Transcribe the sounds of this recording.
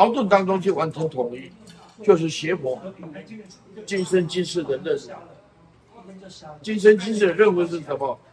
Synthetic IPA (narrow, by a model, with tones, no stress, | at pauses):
ɑ˧˥ʊt̪̬wə˥˩nt̪ɑ˥ŋʈ͡ʂʊ˥ŋɕi˥˩wa˧˥nt͡ɕʰɛ˧˥ŋt̪ʰʊ˧˥ŋi˥˩t͡ɕjo˥˧ʊʂ̬ɻ̩˥˩ɕjɛ˧˥xwɔ˧˥˦ | t͡ɕi˥nʂə˥nt͡ɕi˥nʂɻ̩˥˩d̪ə˨ɻə˥˩n˨˩˨ | t͡ɕi˥nʂ̬ə˥nt͡ɕi˥nʂ̬ɻ̩˥˩d̪ə˧˦ɻə˥˩nxwə˧˥ʂɻ̩˥˩ʂə˧˩˦nmə˧